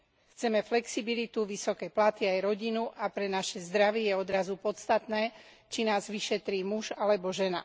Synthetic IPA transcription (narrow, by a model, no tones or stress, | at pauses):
xt͡sɛmɛflɛksibilit̪uʋisɔkɛjplat̪iajɾɔɟinuʔapɾɛnaʃɛzd̪ɾaʋijɛɔd̪ɾazupɔtt͡st̪at̪nɛː | t͡ʃinaːzʋiʃɛt̪ɾiːmuʒalɛbɔʒɛna̰